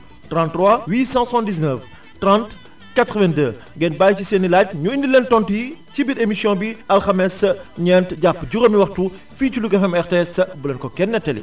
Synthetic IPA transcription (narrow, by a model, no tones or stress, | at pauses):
trãntːrwawiːsɑ̃ssãndis̬nəf | trãnt | katɾəvɛ̃ndəː | ŋɡɛnbaːjcisɛːnːilaɟ̚ɲuindilentɔntujicibiɾemisjɔ̃biɐlxɐmɛsɐɲɛːntɟapːɟuɣɐmiwɐxtu | fiːculuɡɐfɛmɛxtɛsɐbulɐnkɔkɛnːɛtːɐlḭ